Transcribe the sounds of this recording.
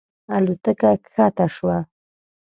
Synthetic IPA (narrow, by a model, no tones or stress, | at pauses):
alʊt̪akakʰat̪aʂwa